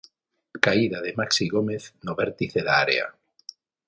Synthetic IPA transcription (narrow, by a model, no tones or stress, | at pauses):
kaiðaðemaksiɣomeθnoβeɾt̪iθeðaaɾḛa̰